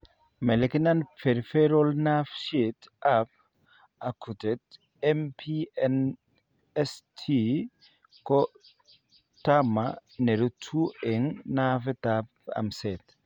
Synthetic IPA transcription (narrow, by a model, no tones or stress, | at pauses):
mɛlɛkinanfeɾfeɾɔlnafʃet̪ap̚ | akʰutɛt | ɛmpʰiɛn | ɛstʰi | kɔ | tamaneɾutʰuʔeŋnafɛt̪apa̰msɛt̪